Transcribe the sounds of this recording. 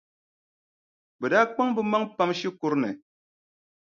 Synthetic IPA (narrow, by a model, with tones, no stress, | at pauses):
bɨ˨da˦k͡pa˦ŋbɨ˦ma˦ŋpa˦mʃi˦ku˦ɾnɛ˨